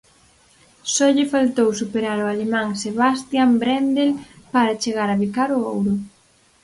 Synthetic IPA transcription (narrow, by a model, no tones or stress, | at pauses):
sɔʎɪfalt̪owsupeɾaɾʊalemãŋseβast̪jambɾɛnd̪el | paɾat͡ʃeɣaɾaβikaɾʊowɾʊ